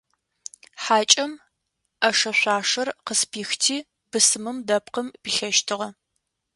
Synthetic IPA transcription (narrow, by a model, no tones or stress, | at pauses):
ħaːt͡ʃʼɐm | ʔɐʂɐɕʷaːʂɐrqəspʰiːxtʰiː | bɨsɨmɨmdɐp̚qəmbiɬɐʃtʰɨʁɐ